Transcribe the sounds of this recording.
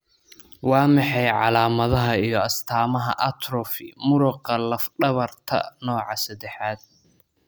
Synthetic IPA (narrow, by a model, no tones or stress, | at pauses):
wɑːmɑħɛjʕɑlaːmɐðɐɦɐijɞɐst̪ʰaːmɐɦɐ̰ʔɐt̪ʰrɔfɪmʊɾʊqɐlɐfɖɐβɐrt̪ʰɐ̰nɔːʕɑsɐd̪ɛħaːd̪̚